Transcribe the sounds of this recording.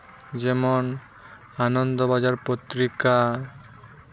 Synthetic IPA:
d͡ʑɛmon | anond̪obad͡ʑaɾpot̪ɾika

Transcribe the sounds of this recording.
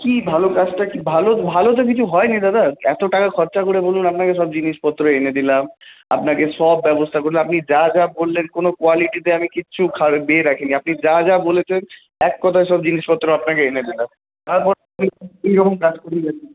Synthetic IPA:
kibʱalokat͡ɕʈakibʱalobʱalot̪̬ok̬it͡ɕʰuɦɔenid̪ad̪aɛt̪oʈakakʰɔɾt͡ɕakoɾebolunapnakeʃɔbd͡ʑiniʃpɔt̪ːɾoened̪ilama̰pnakeʃɔbːɛbost̪ʰakoɾlamapnid͡ʑad͡ʑabolːenkonokoaliʈit̪̬eamikiɕʰukʰaebeːɾakʰeniapnid͡ʑad͡ʑabolet͡ɕʰen | ɛkːɔt̪ʰaeʃɔbd͡ʑiniʃpɔt̪ːɾoapnakeened̪ilam | t̪aɾpɔɾamiiɾɔɦomkad͡ʑkoɾid͡ʑani

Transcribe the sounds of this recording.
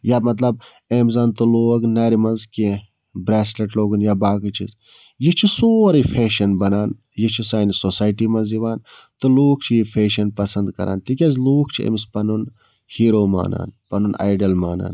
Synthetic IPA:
jaːmɐt̪lɐb̚ | emzaːnt̪uloːɡnɐːɾimɐnzkẽ | bɾeːsleʈloːɡunjaːbaːkɨt͡ʃʰḭz | jit͡ʃʰisoːɾifʰeːʃɐnbɐnaːn | jit͡ʃʰisaːnisoːsaːjʈimɐnziʋaːnt̪uluːk̚ʰt͡ʃʰijifʰeːʃɐnpɐsɐnd̪kɐ̰ɾʔa̰ːnt̪ikʲɐzluːkʰt͡ʃʰiḛmispɐnun | hiːɾoːma̰ːna̰ːnpɐnuna̰ːjɖɐlmaːna̰ːn

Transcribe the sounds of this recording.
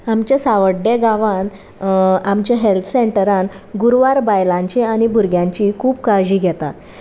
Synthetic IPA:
amt͡ɕjasaʋəɖeɡaʋãn | amt͡ɕjaɦelt̪ʰseɳʈəɾanɡuɾʋaɾbajlãɲt͡ɕiañibʱuɾɡjãɲt͡ɕiːkʰuːbkad͡ʑiːɡʱɛt̪at̪

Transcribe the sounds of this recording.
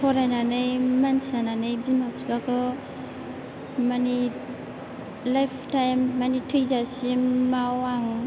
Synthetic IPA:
kʰɔɾajnanɯjmansananɯjbimapsbakʰɯ | mani | lajpʰtajmːanitʰɯjzasimawaŋ

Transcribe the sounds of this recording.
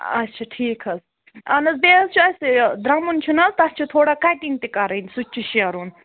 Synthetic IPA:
ɐ̰tːʃʰaʈʰiːkʰɐs | ɐnɐsbeːst͡ʃʰuɐsd̪ɾɐmunt͡ʃʰunɐst̪ɐst͡ʃʰut̪ʰoːɽakaʈiŋɡ̚t̪ikɐɾɐnisut͡ʃʰuʃɐɾuːn

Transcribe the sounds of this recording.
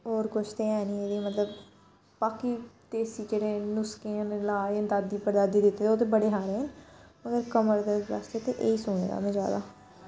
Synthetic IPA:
ɦoːɾkʊt͡ʃʰt̪eːɛːniːeːd̪eːmət̪ləb | paːkiːt̪eːsiːd͡ʒeːɽeːnʊskeːãnlaːə̃nt̪aːd̪iːpəɾd̪aːd̪iːd̪ɪt̪ːeːeoːt̪̬eːbəɽeːɦaːɾeːɦnməɡəɾkəməɾd̪eːɾa̰st̪eːt̪eʔeːiːsuːɽ̃ḛːd̪a̰ːmɛ̃ːd͡ʒa̰ːd̪a̰ː

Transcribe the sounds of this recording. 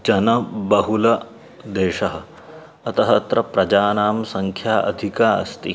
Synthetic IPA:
d͡ʒɐnɐbɐɦulɐ | d̪eːʃɐɦɐ | ɐt̪ɐɦɐt̪ɾɐpɾɐd͡ʒaːnaːmsɐŋkʰjaːʔɐ̰d̪ʱikaːɐ̰st̪i

